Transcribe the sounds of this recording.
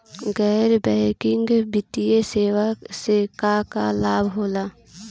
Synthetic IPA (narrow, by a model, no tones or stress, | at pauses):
ɡɛːɾbɛːkɪ̃ŋɡbɪt̪ieseːʋasekakalaːbʱɦoːlaː